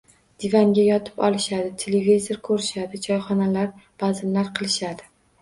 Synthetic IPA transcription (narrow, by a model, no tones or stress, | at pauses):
d̪̥ɪvaŋɡʲajɒt̪ʰɪ̥pɒ̰lˠɪʃad̪ɪt̪ʰelevize̞ɾkʰɵɾɪʃad̪ɪt͡ʃʰɒjχɒnalaɾb̥azɪmlaɾqʰɨlˠɪʃad̪ɪ